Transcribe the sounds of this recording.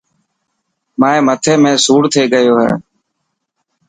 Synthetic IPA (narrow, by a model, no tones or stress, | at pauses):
maːẽːmət̪ʰeːmẽːsuːɽt̪ʰeːɠəjoːɦɛ̰ː